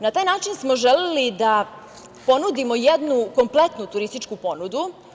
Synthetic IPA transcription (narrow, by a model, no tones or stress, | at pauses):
nat̪aːjnaːt͡ʃinsmo̞ʒelelid̪a | po̞nud̪imo̞jed̪nuko̞mplet̪nut̪uɾist̪it͡ʃkupo̞nud̪u